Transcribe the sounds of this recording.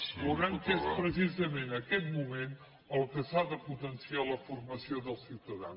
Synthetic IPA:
luɣaŋkespɾəs̬izəmenəkɛt̪mumen | əlˠkəsaðəput̪ənsialəfurməsioðəlˠsiwt̪əða̰n

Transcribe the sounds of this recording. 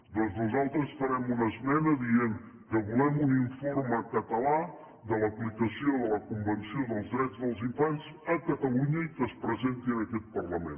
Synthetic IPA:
d̪ɔnznuzalˠt̪ɾəsfəɾɛmunəzmɛnəðieŋ | kəβulɛmuniɱforməkət̪əla | d̪ələplikəsioðələkumbənsioðəlˠzðɾɛd͡zðəlˠziɱfanz | əkət̪əluɲəkəspɾəzent̪iənəkɛt̪̚pərləmḛn

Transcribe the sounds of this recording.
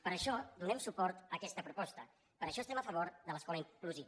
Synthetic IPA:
pəɾəʃɔd̪unɛmsupɔɾt̪əkɛst̪əpɾupɔst̪ə | pəɾəʃɔst̪ɛməfəβ̞oɾðələskɔləiŋkluzi

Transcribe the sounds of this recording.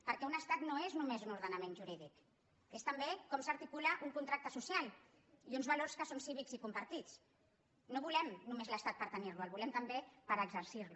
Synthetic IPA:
pəɾkɛunəst̪at̪noeznumezunuɾðənamẽnʒuɾiðik | est̪ambekɔmsaɾt̪ikulaʔuŋkunt̪ɾak̚t̪əsusialˠ | iunzβaloɾskəsonsiβikzikumpaɾt̪it͡s | noβulɛmnumezləst̪at̪̚pəɾt̪əniɾlualˠβulɛmt̪əmbepəɾəɡzəɾsiɾlu

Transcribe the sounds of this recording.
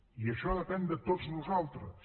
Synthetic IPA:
iaʃɔðepɛnd̪et̪ot̪znuzalˠt̪ɾɐ

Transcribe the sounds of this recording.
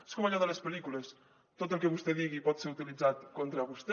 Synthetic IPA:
eskomaʎɔðəlespəlikules | t̪ot̪əlˠkeβust̪eðiɣipɔt̪seɾut̪ilid͡zat̪kont̪ɾaβust̪e

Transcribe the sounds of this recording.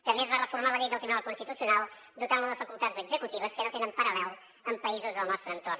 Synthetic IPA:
kəmezβarəfurmaləʎejdðəlˠt̪ɾiβunalˠkunst̪it̪usiunalˠ | d̪ut̪awnəðəfəkulˠt̪adzəɡzəkut̪iβ̞əskənot̪enəmpəɾəlɛl | əmpəizuzðəlˠnɔst̪ɾəːnt̪or

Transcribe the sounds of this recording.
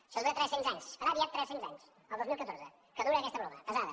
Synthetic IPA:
ʃəlˠβeɾət̪ɾɛssiŋzaɲskəðaðiat̪t̪ːɾɛssiŋzaɲs | əlˠd̪ozmilˠkət̪oɾzə | kənũeɾəkɛst̪əpɾɔβəpəzaðə

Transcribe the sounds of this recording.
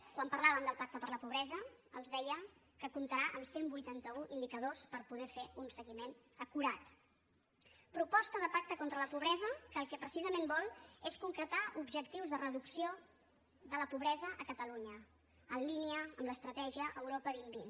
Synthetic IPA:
kwampərlaβəmd̪əlˠpak̚t̪əpəɾləpuβ̞ɾɛzəəlˠzðɛjə | kəkumt̪əɾaʔəmsembujt̪ant̪əuʔind̪ikəðospəɾpuðɛfeunsəɣimenəkuɾat̪ | pɾupɔst̪əðəpak̚t̪əkɔnt̪ɾələpuβɾɛzəkəːlˠkɛpɾəsizəmembɔlˠeskuŋkɾət̪aʔubʒəkt̪iwzðərəðuksio | ðələpuβɾɛzəʔəkət̪əluɲə | ənliniəəmləst̪ɾət̪ɛʒiəʔəwɾopəβimbin

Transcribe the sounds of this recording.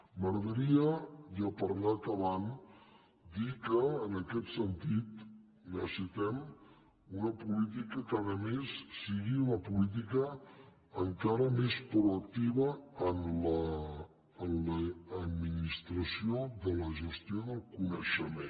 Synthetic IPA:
məɾəðəɾiəjapəɾnat̪əβan | d̪ikəːnəkɛt̪sənt̪it̪ | nəsit̪ɛm | unəpulit̪̬ikəkaɾəmesːiɣiunəpulit̪̬ikə | əŋkaɾəmespɾuək̚t̪iβəənləː | nləːd̪minist̪ɾəsioðələʒəst̪ioðəlˠkunəʃəme

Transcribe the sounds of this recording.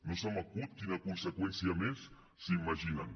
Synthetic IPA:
nosamakut̪̚kinakunsekwɛnsiames | simaʒinan

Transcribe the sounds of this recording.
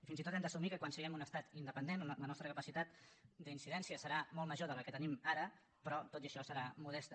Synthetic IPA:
ifinzit̪ot̪ɛmd̪əsumikəkwansəɣɛmunəst̪at̪ind̪əpənd̪enlənɔst̪ɾəkəpəsit̪at̪d̪əinsiðɛnsiəsəɾamɔlˠməʒoðələkət̪ənimaɾə | pɾɔt̪ot̪iəʃɔsəɾamuð̞ɛst̪ə

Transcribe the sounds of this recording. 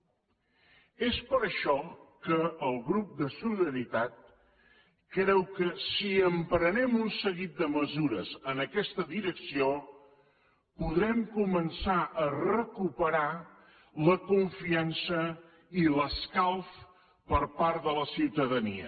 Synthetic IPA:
espəɾəʃɔkəːlˠɣɾup̚d̪əsuliðəɾit̪at̪̚ | kɾɛwkəsiəmpɾənɛmunsəɣit̪̚d̪əməzuɾəzənəkɛst̪əðiɾəksio | puðɾɛmkumənsaʔərəkupəɾa | ləkuɱfiansə | iləskalˠf | pəɾpaɾt̪ðələsiwt̪əðənḭə̰

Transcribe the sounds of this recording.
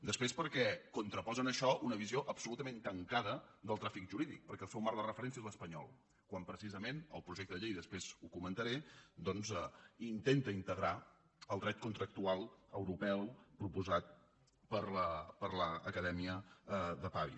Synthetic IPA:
d̪əspɾespəɾkɛkunt̪ɾəpɔzənəʃɔʔunəβizioʔəbsulut̪əment̪əŋkaðəd̪əlˠt̪ɾafikʒuɾiðḭk̚pəɾkɛlˠsɛwmaɾðərəfəɾɛnsiələspəɲɔ̰lˠ | kwampɾəsizəmenəlˠpɾuʒekt̪əðəʎejðəspɾezukumənt̪əɾed̪ɔnzɛint̪ent̪əint̪əɣɾa | əlˠd̪ɾɛt̪̚kunt̪ɾək̚t̪ualˠəwɾupɛwpɾupuzat̪̚ | pəɾləpəɾləːkəðɛmiəðəpaβḭ

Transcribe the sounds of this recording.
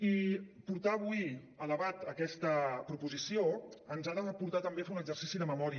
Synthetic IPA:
ipuɾt̪aːβuj | əðəβat̪əkɛst̪əpɾupuzisioənzaðəpuɾt̪at̪əmbeafeunəɡzəɾsisiðəməmɔɾiə

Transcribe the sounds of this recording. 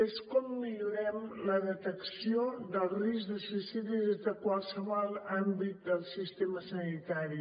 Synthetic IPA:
eskɔmːiʎuɾɛmləðət̪əksiod̪əlˠrizðəsuisiðizðəkwalˠsəβɔlˠambit̪̚d̪əlˠsist̪eməsənit̪aɾi

